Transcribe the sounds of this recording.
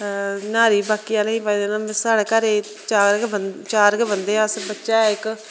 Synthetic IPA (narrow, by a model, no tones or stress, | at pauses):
naːɾiːbaːkiːaːleĩːpaːid̪eːnãːsaːɽekəɾeː | t͡ʃaːɾkbət͡ʃaːɾkbənd̪ẽːsbətːʃaːɛɪk